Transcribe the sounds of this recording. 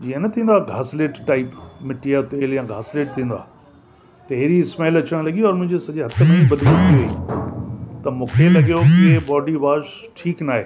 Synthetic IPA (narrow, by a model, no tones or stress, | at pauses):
d͡ʑiːənɐt̪ʰĩːn̆d̪aɡʱaːsleːʈʈaːɪpmɪʈiat̪eːljãːɡʱaːsleːʈ̚t̪ʰĩːn̆d̪a̰ː | t̪ɐɦɾiɪsmeːlɐt͡ɕəɽ̃lɐɡioɔːɾmʊ̃ɦɪ̃ɲd͡ʑesɐʄeɦɐt̪ʰəmẽibɐd̪ʱlot̪ʰioḛ | t̪ɐmũːkʰelɐɡijokiebɔːɖiʋaːʃ | ʈʰiːknaːɦeː